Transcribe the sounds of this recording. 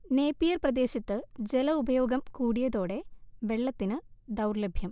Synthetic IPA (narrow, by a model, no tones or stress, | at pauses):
ne̞ːpːijɐrprɐd̪e̞ːɕɐt̪ːɨd͡ʑelɐubɐjo̞ːɡɐmkuːɽijɐðo̞ːɽe̞ʋe̞ɭːɐt̪ːinɨd̪ɐwrlebʱjɐm